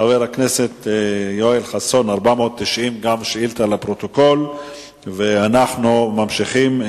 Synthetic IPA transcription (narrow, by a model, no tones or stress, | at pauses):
aveʁakne̞se̞t̪joelχaso̞naʁbamoot̪ːiʃʔimɡamʃilt̪alapʁo̞t̪oko̞l | veanaχnumamʃiχim